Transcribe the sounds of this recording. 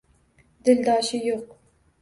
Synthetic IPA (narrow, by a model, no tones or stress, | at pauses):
d̪ɪld̪ɑːʃijoq̚